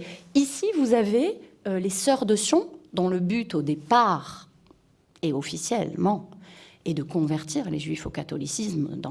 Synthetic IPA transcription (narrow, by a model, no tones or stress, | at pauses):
isivuzaveølesœʁd̪əsjɔ̃d̪ɔ̃ləbyt̪od̪epaʁ | eɔfisjɛlmɑ̃ɛd̪əkɔ̃vɛʁt̪iʁleʒɥifokat̪ɔlisismd̪ɑ̃